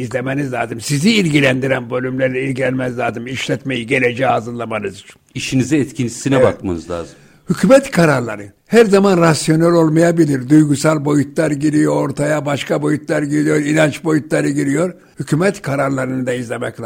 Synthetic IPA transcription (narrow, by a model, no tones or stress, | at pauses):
izlʲe̞me̞nizlʲaːzɯmsiziːlʲɟilʲænd̪iɾænbø̞lʲymlʲeɾlʲɛilʲɟilʲænmæzlʲaːzɯmiʃlʲɛt̪me̞jiɟe̞lʲe̞d͡ʒɛazɯɾlˠamanɯzit͡ʃʰi̥niʃinizɛɛt̪cʰint̪ʰi̥sinɛbak̚manɯzlʲˠa̰ːzɯ | hycʰymɛt̪kʰaɾaɾlˠaɾɯ | hæɾzamanɾasjo̞nælʲo̞lˠmajabilʲiɾd̪ujɡusalʲˠbo̞jut̪ʰlˠaɾɟiɾijo̞ɾo̞ɾt̪ʰajabaʃkʰabo̞jut̪lˠaɾɟiɾijo̞ɾinant͡ʃbo̞jut̪lˠaɾɯɟiɾijo̞ɾ | hycʰymɛt̪kʰaɾaɾlˠaɾɯnɯd̪aizlʲe̞mɛclʲ